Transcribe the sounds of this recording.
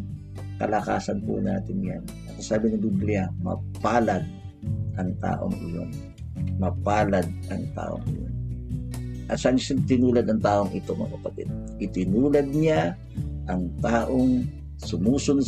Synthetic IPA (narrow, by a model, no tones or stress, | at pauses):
kɐ̰lɐka̰ːsɐnpṵna̰ːt̪ɪnjan | ɐsɐsaːbɪnɐɡ̪ʊblɪamɐ̰paːlɐd̪̚ | ʔɐŋt̪a̰ːʔo̰ŋʔɪ̰jo̰n | mɐpaːlɐd̪̚ʔɐŋt̪a̰ːʔo̰ŋɪ̰jo̰n | ʔɐt̪sɐʔansant̪ɪnuːlɐd̪ɐŋt̪aːʔoŋʔɪt̪omɐ̰kɐpɐt̪ɪ̰d̪̚ʔɪt̪ɪnuːlɐd̪̚ɲa | ʔɐŋt̪aːʔoŋ | sʊmuːsʊn